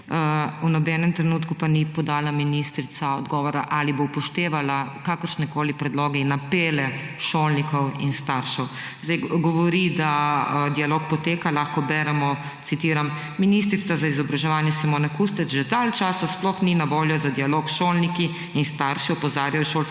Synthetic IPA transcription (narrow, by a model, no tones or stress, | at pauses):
əunɔbɛːnɛmt̪ɾɛnuːt̪kupanipɔd̪aːlaminist̪ɾit̪saɔd̪ɡɔːʋɔɾaʔalibopɔʃt̪eːʋalakakəɾʃnɛkoːlipɾɛd̪loːɡɛinːapeːlɛʃoːlnikɔwinst̪aɾʃɛw | zd̪ɛjɡɔʋɔɾid̪aəd̪ialoːkpɔt̪eːkalaːxkɔbɛɾɛmɔ | sit̪iːɾamː | inist̪ɾit̪azaizɔbɾaʒɛʋaːnjɛsimoːnɛkust̪ɛt͡ʃʒɛd̪alt͡ʃaːsasplɔxninaʋoːljɔzad̪ijaloːkʃoːlniki | inst̪aɾʃiɔpɔzaːɾjajɔʃoːls